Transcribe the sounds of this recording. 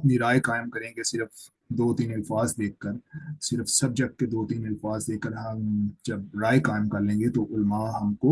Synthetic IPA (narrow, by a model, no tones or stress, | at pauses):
ɐpniɾaːekaːɪmkɐɾẽːŋɡesɪɾəf | d̪oːt̪iːnɐlfaːzd̪eːkːəɾsɪɾfsɐb̚d͡ʒɐɡ̚ked̪oːt̪iːnɪlfaːzd̪eːkːəɾɦɐ̃d͡ʒɐb̚ɾaːekaːɪmkɐɾlẽːŋɡet̪oʔʊlmaɦɐmko